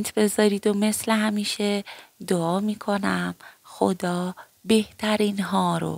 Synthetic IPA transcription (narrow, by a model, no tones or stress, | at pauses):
t̪ʰbe̞zɒːɾiːd̪o̞me̞sleɦæmiːʃed̪oɒːmiːkʰo̞næmxo̰d̪ɒː | be̞ht̪ʰæɾiːnɦɒːɾo̰